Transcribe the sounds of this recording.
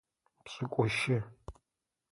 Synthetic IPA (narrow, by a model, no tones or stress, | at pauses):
pɕʼɨkʷʼɔʃɪ